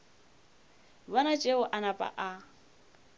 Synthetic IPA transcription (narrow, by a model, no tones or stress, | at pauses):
βɔnat͡ʃʼeʊʔanapʼa̰ʔa